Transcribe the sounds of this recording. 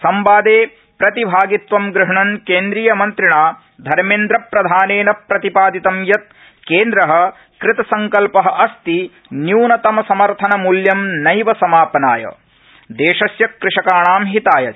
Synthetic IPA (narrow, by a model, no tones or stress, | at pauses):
sɐmbaːd̪eː | pɾɐt̪ibʱaːɡit̪ʋɐmɡɾɪɦɐɳɐnkeːnd̪ɾiːjɐmɐnt̪ɾiɳaː | d̪ʱɐɾmeːnd̪ɾɐpɾɐd̪ʱaːneːnɐpɾɐt̪ipaːd̪it̪ɐmjɐt̪̚ | keːnd̪ɾɐɦɐ̆ | kɾɪt̪ɐsɐŋkɐlpɐɦɐ̆ʔɐst̪i | njuːnɐt̪ɐmɐsɐmɐɾt̪ʰɐnɐmuljɐmnɐjʋɐsɐmaːpɐnaːjɐ̰ | d̪eːʃɐsjɐkːɾɪʂɐkaːɳaːmɦit̪aːjɐ̰